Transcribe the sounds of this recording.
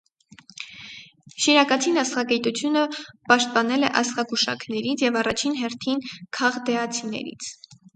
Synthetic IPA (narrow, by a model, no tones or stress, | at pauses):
ʃiɾɑkɑt͡sʰinɑsχɑkɛt̪ut͡sʰjunəpɑʃt̪̚pɑnɛlɛʔɑsχɑɡuʃɑ̰kʰnɛɾit͡sʰjɛvɑrɑt͡ʃʰinɦɛɾt̪ʰinkʰɑʁd̪ɛɑt͡sʰinɛ̰ɾḭt͡sʰ